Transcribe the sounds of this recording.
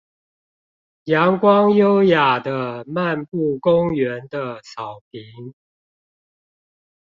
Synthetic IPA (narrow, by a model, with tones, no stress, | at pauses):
jɑ˧˦ŋkwɑ˦ŋjo˦ʊja˨˩d̪ə˦ma˥˨npu˥˩kʊ˦ŋɥɛ˨˦nd̪ə˧sɑ˨˩ʊpʰi˨˦ŋ